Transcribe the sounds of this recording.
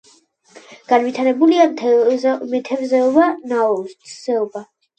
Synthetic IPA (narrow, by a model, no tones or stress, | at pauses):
ɡ̥anvit̪ʰaɾɛbulia | mɛt̪ʰɛvzɛɔbanaɔst̪z̥ɛɔba